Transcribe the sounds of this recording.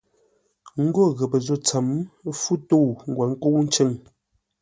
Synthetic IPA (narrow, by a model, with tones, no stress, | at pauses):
ŋ̩˦ɡo˦˨ɣə˨pə˨zo˦˨t͡sa˨m˦fu˦to˦˨wŋ̩˨ɡwa˨ŋ̩˦ko˦wn̩˦t͡ʃe˦˨ŋ